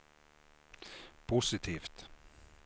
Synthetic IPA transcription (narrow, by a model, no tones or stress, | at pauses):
pʰʊsɪt̪ʰiːft̪